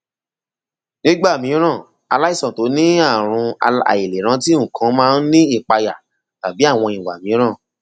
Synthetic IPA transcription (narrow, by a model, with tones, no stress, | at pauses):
nĩ˦ɡ͡ba˦˨mĩ˨˦ɾ̃ã˦˨ | a̰˧la˦i˦˨sã˨to˨˦nĩ˦a˦˨ɾ̃ũ˧a̰˨i˨le˨ɾ̃ã˨˦ti˦ũ˦˨kʰã˨˦mãː˦n̩˦nĩ˦i˦˨k͡pa˧ja˨ | ta˨bi˨˦a˦˨w̃ɔ̃˧ĩ˨wa̰˨mĩ˨˦ɾ̃ã˦˨